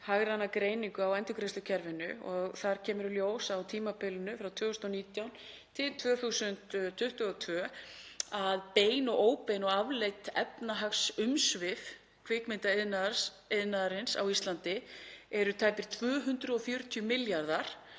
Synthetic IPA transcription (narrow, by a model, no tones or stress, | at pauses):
haɣɾanakɾeːjniŋkʏawajnt̪ʏkɾest̪ʏcʰɛɾvɪnʏ̰ɔɣθaɾ̥cʰɛːmʏɾʏljoːwsawt̪ʰiːmapɪlʏnʏfɾawt̪ʰvœːθʏst̪ɔniːt̪jawn | t̪ʰɪlt̪ʰvœːθusʏnt̪t̪ʰːʏht̪ʏɔt̪ʰvœː | aðpeːjnɔɣoːwpejnɔɣavlejt̪ɛpnaɦaksʏmsvɪf | kʰvɪkmɪnt̪aɪðna | ɪðnaðaɾɪnsa̰wist̪lant̪ɪɛɾʏt̪ʰaːjpɪɾ̥t̪ʰv̥œːɦʏnt̪ɾʏɔfjœɾt̪ʰjʏmɪljaɾðaɾ̥